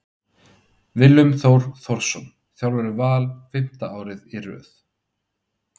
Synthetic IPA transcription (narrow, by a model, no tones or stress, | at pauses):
vɪlːʏmθowɾ̥θɔɾ̥sɔm | θjawlvɛɾʏvaːlfɪm̥t̪aaːwɾɪðirœ̰ːθ